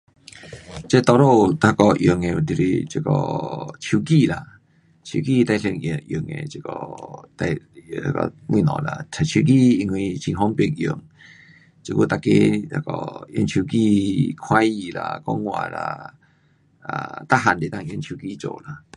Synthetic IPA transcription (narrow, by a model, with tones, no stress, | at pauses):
t͡ɕe˦t̪ɔ˧ɾo˥˧˨t̪ʰa˧kɔ˧ʔju˨˩ŋe˨˩d̪i˨ɾḭ˧t͡ɕi˧kɔ̰˧˩t͡ɕʰju˧ki˥˧˨la˧ | t͡ɕʰu˧ki˥˧t̪a˧jsʰi˧ŋ˨jṵ˨˩ŋḛ˨t͡ɕi˧˩kɔ˧t̪a˧a̰˧kɔ̰˧mwḭ̃˧˨nɔ̰̃˨˩la̰˧t͡ɕʰa˨˩t͡ɕʰu˧ki˦˧i˧ŋwi˧t͡ɕʰĩ˧ɦɔ˦ŋpi˧ŋjṵ˧˩ŋ | t͡ɕi˧ku˦˧˨t̪a˧˩ke˦t̪ʰa˧kɔ̰˧ḭ˧˦nt͡ɕʰu˧ki˥˧˨kʰwa˦i˧la̰˧kɔ˦ŋwa̰˧˨la̰˧ | a˨˩t̪a˦ɦa˨nd̪i˨t̪ã˥˧˨ji˧˦nt͡ɕʰju˧ki˦˨t͡ɕo̰˨˩la˧˩